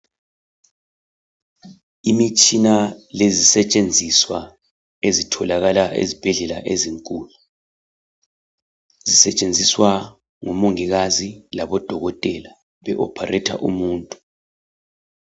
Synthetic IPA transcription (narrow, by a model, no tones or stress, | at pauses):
imit͡ʃʼinalezisɛt͡ʃʼend͡zʱiswa | ezitʰɔlaɣalaʔḛzib̥ʱɛɮɛlaʔeziŋkʼuːlu | zisɛt͡ʃʼend͡zʱiswa | ŋumoŋiɣazilaβɔd̥ʱɔɣɔtʼɛla | βɛʔɔ̰pʰa̰rɛtʰa̰ʔumuːntʼu̥